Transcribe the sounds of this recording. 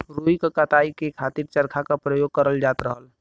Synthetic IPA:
ɾuːikəkat̪aːikekʰaːt̪iːɾt͡ʃəɾkʰakapɾəjoːɡ̚kəɾəld͡ʒaːt̪ɾəɦəl

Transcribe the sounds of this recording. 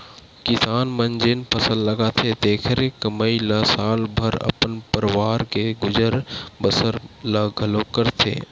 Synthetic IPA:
kɪsaːnmənd͡ʒɪnpʰəsəlːəɡat̪ʰet̪eːkʰəɾekəməilɐsaːlbʱəɾɐ̰pənpəɾɪwaːɾkeɡʊd͡ʒəɾbəsəɾləɡʱəlokəɾt̪ʰḛː

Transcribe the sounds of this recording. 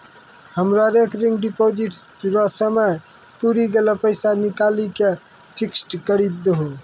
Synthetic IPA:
həmɾaɾekɾiŋɡɖipod͡ʒiʈɾɔsəməj | puɾiɡelɔpəɪsanikalike | pʰiksʈkəɾid̪̚ːɦo

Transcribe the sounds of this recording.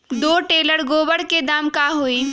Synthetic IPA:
d̪oːʈeːləɽɡoːbəɽked̪aːmkaɦoːiː

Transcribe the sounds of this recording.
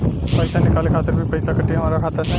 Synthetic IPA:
pəjsanɪkaːlekʰaːt̪əɾbʱipəjsakəʈːiɦɐmaːɾakʰaːt̪əɾs

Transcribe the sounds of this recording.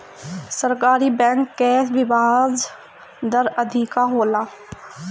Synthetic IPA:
sɐɾkaːɾibɛ̃ːŋkːɛːʋɪʋaːd͡ʒ | d̪əɾɐd̪ʱikaɦoːlaː

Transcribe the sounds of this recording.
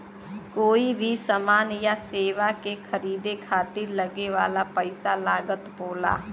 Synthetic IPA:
koːibʱisɐmaːnjaseːʋakekʰɐɾiːd̪ekʰaːt̪ɪɾlɐɡeʋaːlapəɪsalaːɡət̪boːla̰ː

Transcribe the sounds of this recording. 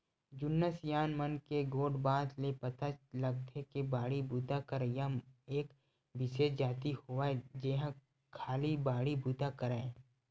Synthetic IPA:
d͡ʒʊnːəsjaːnmənkeɡoːɖbaːd̪lepət̪at͡ʃləɡt̪ʰekebaːɽibuːt̪akəɾjaeːk | bɪʃeːd͡ʒaːt̪ihoʋad͡ʒeːɦã | kʰaːlibaːɽibuːt̪akəɾa

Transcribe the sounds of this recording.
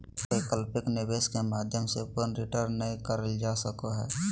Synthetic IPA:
eːkəlpɪknɪʋeːskemaːd̪ʱjəmsepənɾɪʈəɾnːəĩkəɾəld͡ʒaːsəkoɦɛː

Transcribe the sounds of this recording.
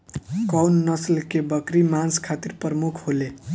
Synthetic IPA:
kɔwnːəslkebəkɾimanskʰat̪iɾpɾəmukʰɦole

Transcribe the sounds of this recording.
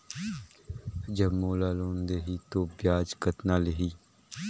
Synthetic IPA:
d͡ʒɐəbmoːlaːloːnd̪eɦit̪oːbjaːd͡ʒkət̪naːleɦiː

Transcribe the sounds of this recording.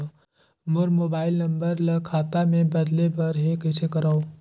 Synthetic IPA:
mʊɾmoːbaːɪlnɐ̃mbəɾlɐkʰaːt̪amẽbɐd̪lepɐɾɦekɐt͡ʃʰekɐɾao

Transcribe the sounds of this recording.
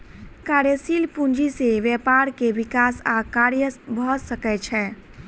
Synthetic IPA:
kaɾjəsilpund͡ʒiseʋjɛpaɾkeʋikasakaɾjəsbʱɔsəkɛt͡ʃʰɛ

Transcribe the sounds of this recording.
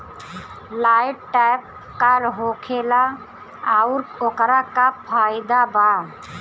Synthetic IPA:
lajʈʈajp̚ | kalɦokʰela | aʊɾokɾakapʰaɪd̪aba

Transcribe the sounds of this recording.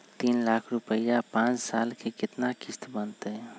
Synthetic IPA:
t̪iːnlaːkʰɾʊpəjapãːt͡ʃsaːlkekɪt̪nakɪst̪bənt̪eɦ

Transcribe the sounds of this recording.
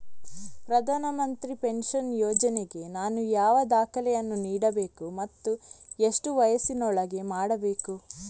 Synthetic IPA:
pɾɐd̪ʱaːnɐmɐnt̪ɾipe̞nʃɐnjɔːd͡ʒɐneɡe̞naːnujaːʋɐd̪aːkʰɐlɛjɐnːuniːɽɐbe̞ːkumɐt̪ːue̞ʂʈuʋɐjɐsinɔɭɐɡe̞maːɽɐbe̞ːku

